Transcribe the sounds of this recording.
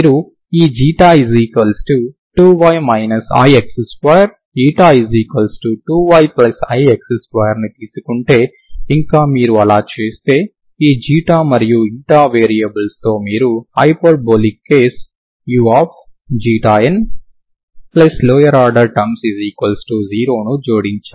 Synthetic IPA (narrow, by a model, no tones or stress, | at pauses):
miːɾu | iːd͡ʒiːʈaːiziːkɐlsʈu | ʈuːʋɐjmɐjnɐsɐ̰jeksiskɐjɐɾ | iːʈaːiziːkɐlsʈuʈuːʋɐjplɐsɐjekseskʋɐːjɐɾnit̪iːsu̥kuɳʈe̞ː | iŋkaːmiːɾuɐlaːt͡ʃe̞ːst̪e̞ː | iːd͡ʒiːʈaːmɐɾijuiɳʈaːʋeːɾijɐbɐlst̪o̞ːmiːɾuɐjpoːɖ̚boːlikːeːs | juːaːp̚ʰ | d͡ʒiːʈaːen | plɐslɔːjɐɾaːɖɐɾʈɐmsiziːkɐlsʈuziːɾoːnud͡ʒoːɽiɲt͡ʃaː